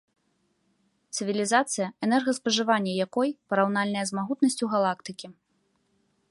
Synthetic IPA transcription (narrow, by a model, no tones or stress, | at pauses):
t̪sɨvʲilʲizat̪sɨjɐɛnɛrɣɐspɐʐɨvanʲːɐjakɔjpɐɾawnalʲnɐjɐzmaɣut̪nɐsʲt͡sʲuɣalˠakt̪ɨkʲi